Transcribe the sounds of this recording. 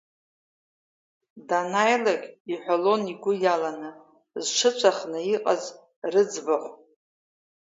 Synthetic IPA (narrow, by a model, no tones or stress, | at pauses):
danajlaɡʲiħʷᶣalo̞niɡʷʊjalanɨ | zʂʰɨt͡ʃʷʰaχnɨiqʼaz | rɨd͡zbaħʷ